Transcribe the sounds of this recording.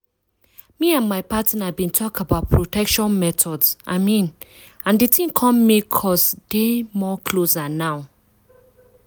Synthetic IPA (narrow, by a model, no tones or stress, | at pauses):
miãnmaɪpatĩnabĩntʰɔkəbaʊt̚pʰɹotɛkʃɔ̃nmɛtʰɔdzʔa̰ɪmĩn | ãndetʰĩŋkʰɔ̃mːikʰɔsdemɔkʰlosanaʊ